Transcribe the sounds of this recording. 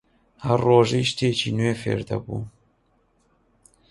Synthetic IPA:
hɐrːoːʒɐʃt̪eːt͡ʃʰiːnweːfḛːɾd̪ɐ̰bṵː

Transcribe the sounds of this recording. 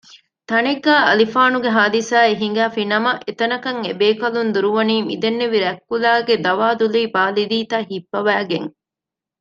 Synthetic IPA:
t̪ɐneɡːæːɐlifaːnuɡeɦaːd̪isaːeɦiŋ̆ɡæːfinɐmɐʔet̪ɐnɐkɐŋebeːkɐlund̪uɾuʋɐniːmid̪enːeʋiɾɛkːulaːɡed̪ɐʋaːd̪uliːbaːlid̪iːt̪ɐɦifːɐʋæːɡeŋ

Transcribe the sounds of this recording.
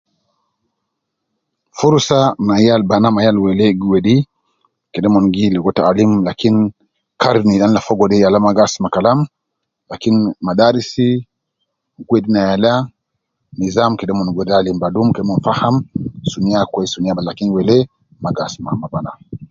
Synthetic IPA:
fuɾsanajalbanamajalwɛlɛɡuwɛɗi | kɛɗɛmɔnɡilɛɡɔtaalimlakini | kaɾnianilafɔɡɔɗɛjalamaɡasmakalam | lakinimaɗaɾisi | ɡwɛɗinajala | nizamkɛɗɛmɔnɡwɛɗalimbadumkɛɗɛmɔnfahamsuniakwɛisuniaballakiniwɛlɛ | maɡasma̰mabana

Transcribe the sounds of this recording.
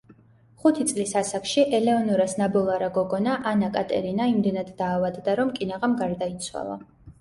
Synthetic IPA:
χut̪ʰit̪sʼlisasakʰʃiʔɛlɛɔnuɾasnabɔlˠaɾaɡɔɡɔnaʔanakʼat̪ʼɛ̰ɾinaimd̪ɛnad̪ːaːvad̪d̪aɾɔmkʼinaʁamɡaɾd̪ait̪sʰwa̰lˠa̰

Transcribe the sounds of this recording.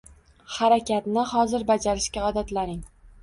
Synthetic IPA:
haɾakʲat̪nɪhɒzɪɾbad͡ʒaɾɪʃkʲaɒd̪at̪lanɾɪŋ

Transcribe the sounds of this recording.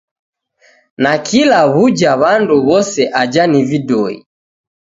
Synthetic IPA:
nakʰilaβud͡ʒaβanduβɔsɛʔad͡ʒanividɔḭ

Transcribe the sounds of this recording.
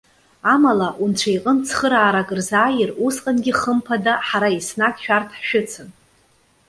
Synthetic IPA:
amalaʔunʈ͡ʂʷʰajqʼənt͡sʰχəɾaːɾakʼɨrzaːjɪrusqʼanɡʲiχəmpʰadaħaɾaisnakʼʃᶣartʰħʃᶣʏt͡sʰɨn

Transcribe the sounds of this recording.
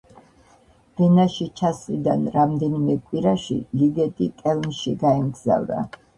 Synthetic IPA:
b̥ɛnaʃit͡ʃʰaslid̪anɾamd̪ɛnimɛkʼwiɾaʃḭliɡɛt̪ʼikʼɛlˠnʃiɡaɛmɡz̥a̰vda̰

